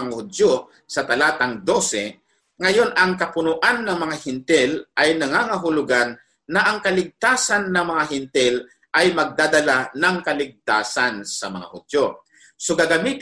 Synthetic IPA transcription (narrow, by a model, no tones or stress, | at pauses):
ŋahʊd̪jo | sɐt̪ɐlaːt̪aŋd̪osɛ | ŋɐjonɐŋkɐpʊnʊʔanːɐŋmɐŋahɪnt̪ɪlʔajnɐŋaŋɐɦʊlʊɡanː | ɐʔɐŋkɐlɪɡ̚t̪aːsanːɐŋmɐŋaɦɪnt̪ɪl | ʔajmɐɡ̚d̪aːd̪ɐlanɐŋkɐlɪɡ̚t̪aːsansɐmɐ̰ŋa̰hʊd̪jo | soɡaɡamit̪